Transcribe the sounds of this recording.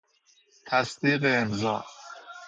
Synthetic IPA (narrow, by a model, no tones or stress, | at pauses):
t̪ʰæsd̪iːɢeːmzɒ̰ː